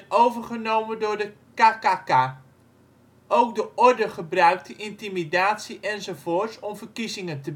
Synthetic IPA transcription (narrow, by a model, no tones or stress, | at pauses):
nowvərχənowməndʊːɹdə | kakaka | ʔowk̚dəʔɔrdəχəbrœɥk̚təʔintimidaːtsiʔɛnzowvʊːrsɔmvərkizɪŋəntəb